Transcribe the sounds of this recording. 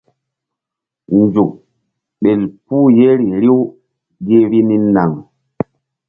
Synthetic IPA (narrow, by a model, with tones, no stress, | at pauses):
nd͡ʒu˨ | ɓɛ˨lpuː˦je˦ɾi˨ɾi˦w | ɡe˦ɾi˦ni˦nːa˨ŋ